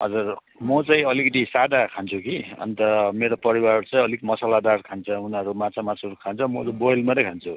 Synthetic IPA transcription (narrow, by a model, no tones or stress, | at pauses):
ɦʌ̰d͡zur | mʌt͡saĩʌlikʌʈ̪isad̪akʰant͡sʰukiʌ̰nt̪ʌmeɾopʌɾiwarrt͡sʌĩʌlik̪imʌsalad̪arkʰant͡sʰʌunʌɾumat͡sʰamasʰuɾkʰant͡sʰʌmʌɾubojlmaɾʌkʰant͡sʰu